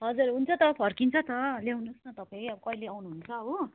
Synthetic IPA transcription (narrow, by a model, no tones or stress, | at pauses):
ɦʌd͡zurɦunt͡sʰʌt̪ʌpʰʌrkint͡sʰʌt̪ʌlewnosnʌt̪ʌpaiʌbʌkʌileawnuɦunt͡sʰʌɦo